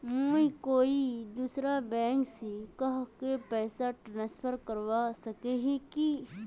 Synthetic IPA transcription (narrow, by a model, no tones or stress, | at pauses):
muikoːid̪uːsɾabɛ̃ːŋksikɐɦkepɛːsaʈɾãːnspʰəɾkɐɾwasɐkeɦĩki